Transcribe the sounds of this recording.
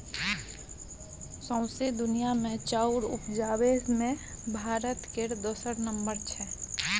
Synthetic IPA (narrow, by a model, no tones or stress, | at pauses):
sɔ̃ʊ̃sed̪ʊnijamẽt͡ʃaːʊɾʊpd͡ʒaːwesmẽbʱaːɾət̪keɾd̪oːsəɾnəmbəɾt͡ʃʰɛː